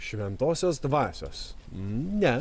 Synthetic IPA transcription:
ʃʲʋʲɛnt̪oːsʲoːs̬d̪ʋɑːsʲo̰ːs̩ | nʲɛ

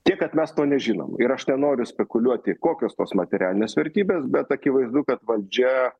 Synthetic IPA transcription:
t̪ʲiɛkkɐt̪mʲɛst̪oːnʲɛʒʲiːno̰mɪɾɐʃnʲɛnoːɾʲʊsʲpʲɛkʊlʲuɔt̪ʲɪkoːkʲoːst̪oːsmɐt̪ʲɛɾʲæːlʲɪnʲeːsʋʲɛɾʲt̪ʲiːbʲeːsbʲɛt̪ɐkʲɪʋɐɪzd̪ukɐt̪ʋɐlʲd͡ʒʲɛ

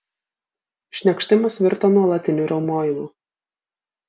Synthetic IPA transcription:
ʃʲnʲɛkʃʲt̪ʲɪmɐsʋʲɪɾt̪oːnuɔlˠɐt̪ʲɪnʲuɾɐʊmoːjɪlˠṵː

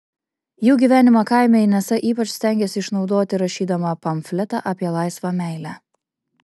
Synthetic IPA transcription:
juːɡʲiːʋʲæːnʲɪmɐkɑˑɪmʲɛnʲɛsɐʔiːpɐt͡ʃʲst̪ʲæˑŋʲɡʲɛsʲɪɪʃnɒʊd̪oːt̪ʲɪɾɐʃʲiːd̪ɐmɐpɐmʲfʲlʲɛt̪ɑʔɑːpʲiɛlˠɑɪsʋɑmʲæɪlʲæː

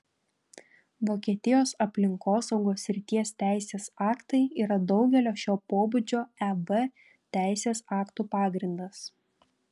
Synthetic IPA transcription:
ʋoːkʲiɛt̪ʲɪjoːsɐpʲlʲɪŋkoːsɒʊɡoːsʲɾʲɪt̪ʲiɛst̪ʲæˑɪsʲeːsɑːkt̪ɐɪiːɾɐd̪ɒʊɡʲɛlʲoːʃʲoːpoːbʊd͡ʒʲoːɛʋɛ | t̪ʲæˑɪsʲeːsɑːkt̪uːpɑːɡɾʲɪnd̪ɐs

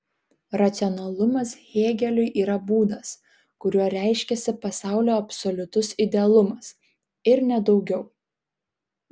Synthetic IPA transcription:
ɾɐt̪sʲɪɔnɐlˠʊmɐsɣʲeːɡʲɛlʲʊɪʔiːɾɐbuːd̪ɐs | kʊɾʲuɔɾʲæɪʃʲkʲɛsʲɪpɐsɑˑʊlʲoːɐpsɔlʲʊt̪ʊsɪd̪ʲɛɐlˠʊmɐs | ɪɾnʲɛd̪ɒʊɡʲɛʊ

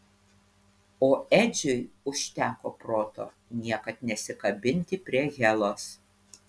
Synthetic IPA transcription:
oːɛd͡ʒʲʊɪʊʃʲt̪ʲæːkoːpɾoːt̪o̰ː | nʲiɛkɐt̪nʲɛsʲɪkɐbʲɪnʲt̪ʲɪpʲɾʲiɛɣʲɛlˠoːs

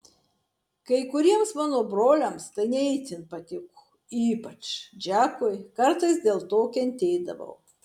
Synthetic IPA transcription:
kɐɪkʊɾʲiɛmsmɑːnoːbɾoːlʲɛmst̪ɐɪnʲɛɪt̪ʲɪnpɐt̪ʲɪkuː | iːpɐt͡ʃd͡ʒʲæːkojkɐɾt̪ɐɪsd̪ʲeːlˠt̪oːkʲɛnʲt̪ʲeːd̪ɐ̰ʋɐ̰ʊ

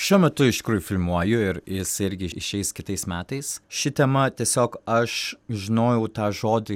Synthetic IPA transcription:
ʃʲuɔmʲɛt̪ʊɪʃt̪ʲɪkɾuːjʊfʲɪlʲˠmuɔjʊɪɾjɪsɪɾʲɡʲɪɪʃʲɛɪskʲɪt̪ɐɪsmʲæːt̪ɐɪsʃʲɪt̪ʲɛmɐt̪ʲiɛsʲoːkɐʃʒʲɪnoːjɛʊt̪ɑːʒoːd̪ʲɪ

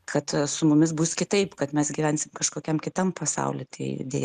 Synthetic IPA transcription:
kʰɐt̪sʊmʊmʲɪsbuskʲɪt̪ɐɪpkɐt̪mʲɛsɡʲiʋʲænʲsʲɪmkɐʃkoːkʲɛmkʲɪt̪ɐmpɐsɐ̰ʊlʲɪt̪ʲɐɪdʲḛːj

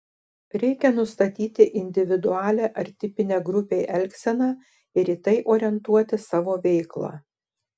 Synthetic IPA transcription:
ɾʲɛɪkʲɛnʊst̪ɐt̪ʲiːt̪ʲɪʔɪnʲd̪ʲɪʋʲɪd̪ʊɑːlʲeːʔɐɾʲt̪ʲɪpʲɪnʲeːɡɾʊpʲeːʔɛlʲksʲɛnɑː | ɪɾit̪ɐɪʔoːɾʲɛnt̪uɔt̪ʲɪsɑːʋoːʋʲɛɪklˠɑ̰ː

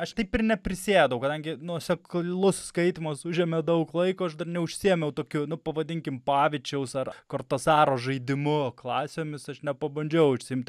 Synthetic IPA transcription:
ɐʃt̪ɐɪpɪrnʲɛpʲɾʲɪsʲeːd̪ɐʋʊkɐd̪ɐŋʲɡʲɪnuɔsʲɛklˠʊsskɐɪt̪ʲɪmosʊʒʲeɛmʲɛd̪ɐʊklˠɐɪkoːɐʃd̪ɐrnʲɛʊʃʲsʲiɛmʲɛʊt̪oːkʲʊnʊpɐʋɐd̪ʲɪŋʲkʲɪmpɑːʋʲɪt͡ʃʲɛʊsɐrkort̪osɑːɾoːʒɐɪd̪ʲɪmʊklˠɑːsʲeːmʲɪsɐʃnʲɛpɐbɐnʲd͡ʒʲɛʊʊʃʲsʲɪɪmʲt̪ʲ

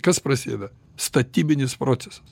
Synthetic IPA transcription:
kɐspɾɐsʲḛːd̪ɐ | st̪ɐt̪ʲiːbʲɪnʲɪspɾoːt̪sʲɛsɐ̥s

